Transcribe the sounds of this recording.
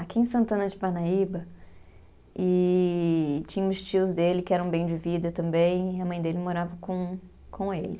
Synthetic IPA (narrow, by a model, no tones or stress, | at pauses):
akiẽsɐ̃nt̪ɐ̃nɐd͡ʒɪpaɾnaibɐ | ɪ | t͡ʃĩɲɐmʊst͡ʃiʊzd̪elɪkɪɛɾɐ̃ũbẽj̃d͡ʒɪvid̪ɐt̪ɐ̃mbẽj̃ɐmɐ̃j̃d̪elɪmoɾavɐkõ | kʰõelɪ